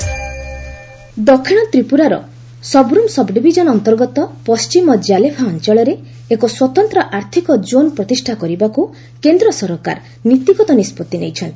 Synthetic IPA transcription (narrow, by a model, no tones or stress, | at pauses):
d̪ɔkʰːiɽ̃ɔt̪ɾipuɾaɾɔ̰ | sɔbɾumsɔbɖibʱid͡ʒɔnɔnt̪ɔɾɡɔt̪ɔpɔst͡ʃimɔd͡ʒjalepʰaɔnt͡ʃɔɭɔɾe | ekɔswɔt̪ɔnt̪ɾɔʔaɾt̪ʰikɔd͡ʒonpɾɔt̪isʈʰakɔɾibaku | kend̪ɾɔsɔɾɔka̰ɾ | nit̪iɡɔt̪ɔnispɔt̪ːinḛjt͡ʃʰɔnt̪i̥